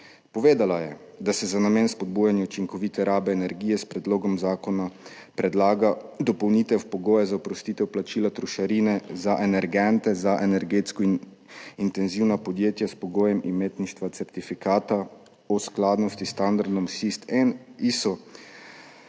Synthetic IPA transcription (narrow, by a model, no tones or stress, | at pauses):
pɔʋeːd̪alajɛ | d̪asɛzanameːnspɔd̪̚bujanjɛut͡ʃiŋkɔʋit̪ɛɾaːbɛːnɛɾɡiːjɛspɾɛd̪loːɡɔmzaːkɔnapɾɛd̪laːɡad̪ɔpɔwniːt̪ɛwpɔɡoːjɛzaɔpɾɔst̪it̪ɛwplat͡ʃiːlat̪ɾuʃaɾiːnɛzaʔɛnɛɾɡɛnt̪ɛzaʔɛnɛɾɡeːt̪skɔin | int̪ɛnziwnapɔd̪jeːt̪jaspɔɡoːjɛmʔimeːt̪niʃt̪ʋat̪sɛɾt̪ifikaːt̪a | ɔsklaːd̪nɔst̪ist̪and̪aɾd̪ɔmsist̪ɛnisɔ